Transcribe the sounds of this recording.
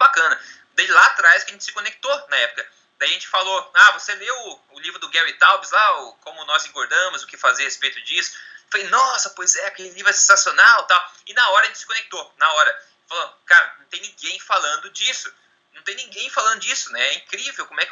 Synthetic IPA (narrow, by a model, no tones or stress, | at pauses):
bakɐ̃nɐ | d̪ejd͡ʒɪlaat̪ɾajsʊkɪɐʒẽt͡ʃɪsɪ̥kõnek̚t̪onɐɛpʊ̥kɐ | d̪aiɐʒẽnt͡ʃɪ̥faloavoseveʊː | livɾʊd̪ʊɡɛwit̪awbɪzlaʊkõmʊnɔzĩŋɡoɾd̪ɐ̃mʊzʊkɪfaziɐhespejt̪ʊd͡ʒisʊ̥falejnɔsɐpojzɛakelɪlivɾʊɛsẽsasionawt̪awɪnɐɔɾɐʒẽt͡ʃɪsɪ̥kõnek̚t̪onɐɔɾɐ | falɐ̃kaɾɐnɐ̃t̪ẽnĩɡẽj̃falɐ̃nd̪ʊd͡ʒisʊ | nɐ̃w̃t̪ẽj̃nĩɡẽj̃falɐ̃nd̪ʊd͡ʒisʊnɛ̃ɛĩkɾivewkõmʊɛk